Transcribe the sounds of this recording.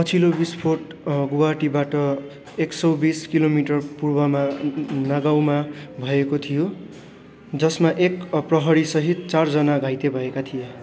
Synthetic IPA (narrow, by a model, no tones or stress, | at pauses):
pʌt͡sʰilobispʰorʈ | ɡuwaʈibaʈʌ | eksʌwbiskilomiʈʌrpurbʌmanaɡaw̃mabʱʌekot̪ʰijo | d͡zʌsmaʔekprʌɦʌɾisʌɦit̪̚t͡sard͡zʌnaɡʱajt̪ebʱʌekat̪ʰije